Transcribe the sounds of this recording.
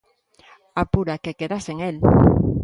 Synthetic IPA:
apuɾakekeðaseŋel

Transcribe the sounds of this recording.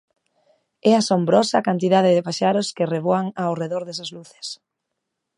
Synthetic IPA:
ɛasombɾɔsakant̪iðaðɪðɪpaʃaɾʊskɪreβoaŋawreðoɾðɛsazluθe̥s

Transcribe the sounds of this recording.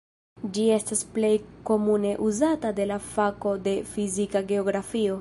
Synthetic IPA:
d͡ʒie̞stasple̞jko̞mune̞ʔuzatade̞lafako̞de̞fizikaɡe̞o̞ɡɾafio̞

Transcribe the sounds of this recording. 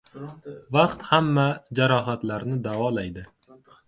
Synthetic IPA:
vaqt̪hamːad͡ʒaɾɒɦat̪laɾnɪd̪avɒlajd̪ɪ

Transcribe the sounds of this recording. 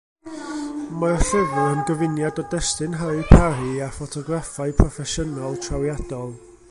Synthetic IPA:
maɔɬɪvʊənɡəvɪnjadɔdɛstɨnɦajpʰaɾiafɔtʰɔɡrafaɨpʰrɔfɛʃənalˠtʰrawjadɔlˠ

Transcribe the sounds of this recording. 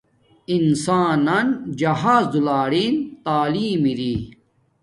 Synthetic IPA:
insaːnɐnd͡ʑɐɦaːzd̪ulaːɽiːnt̪aːliːmiɾiː

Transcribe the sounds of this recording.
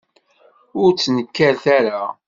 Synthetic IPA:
ʊɾt͡sːnəkːæɾθæɾa

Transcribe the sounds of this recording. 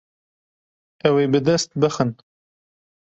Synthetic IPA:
ɐwebɨd̪ɐst̪̚bəxən

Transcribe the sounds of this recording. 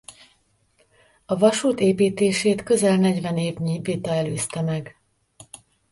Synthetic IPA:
ɒvɒʃuːt̪eːpiːt̪eːʃeːt̪kø̞zɛlnɛɟvɛneːvɲiːvit̪ɒɛløːst̪ɛmɛɡ

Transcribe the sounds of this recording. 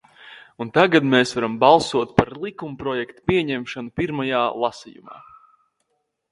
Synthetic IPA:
unt̪aɡad̪meːsvaɾambɑlˠsuɔt̪̚paɾlˠikumpɾɔjɛkt̪ḁpiɛɲɛmʃanupiɾmajaːlˠasijṵma̰ː

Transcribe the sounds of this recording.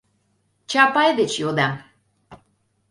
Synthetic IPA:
t͡ʃʰapajd̪et͡ʃjod̪am

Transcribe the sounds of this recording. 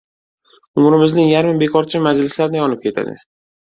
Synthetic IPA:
ʊmɾɪmɪznɪŋjaɾmɪbe̞kʰɒɾt͡ʃʰɪmad͡ʒlɪslaɾɪnɪjɒnɪp̚kʲʰe̞t̪ʰa̰d̪ɪ̰

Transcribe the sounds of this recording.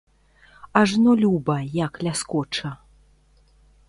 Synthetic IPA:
aʐnɔlʲubɐjaklʲaskɔt͡ʂɐ

